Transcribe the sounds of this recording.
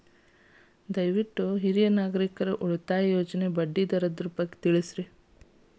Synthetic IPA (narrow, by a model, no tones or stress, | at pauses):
d̪ɐjʋiʈːuɦiɾijɐnaːɡɐɾikɐɾɐʔuɭut̪aːjoːd͡ʒɐne̞bɐɖːid̪ɐɾɐd̪ɾupɐkːe̥t̪iɭisɾe